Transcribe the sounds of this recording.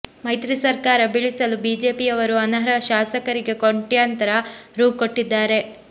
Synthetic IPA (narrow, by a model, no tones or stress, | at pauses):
mɐjt̪ɾisɐɾkaːɾɐbiɭisɐlubiːd͡ʒe̞ːpijɐʋɐɾuɐnɐɦɐɾɐʃaːsɐkɐɾiɡe̞koɳʈjant̪ɐɾɐɾuːkoʈːid̪ːaːɾe̞